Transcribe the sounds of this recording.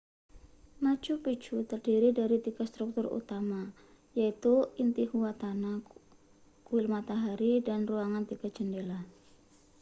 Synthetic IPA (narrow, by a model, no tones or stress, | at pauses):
nḁd͡ʒupi̥t͡ʃut̪ərd̥iɾidaɾit̪iɡ̥ast̪ɾuk̚t̪ʊrṵt̪ama | jait̪uint̪ihuat̪ana | kuwɪlmat̪aɦaɾidanruaŋant̪iɡ̥ḁd͡ʒ̥əndela